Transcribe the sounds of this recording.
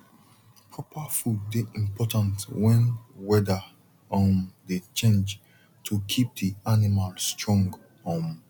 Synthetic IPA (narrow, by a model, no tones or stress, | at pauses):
pʰɹɔpʰafudːeʔĩmpʰɔtãntwɛ̃nwɛda | ɔ̃mdet͡ʃẽnd͡ʒ | tʰukʰip̚dianimalstɹɔ̃ŋɡ | ɔ̃m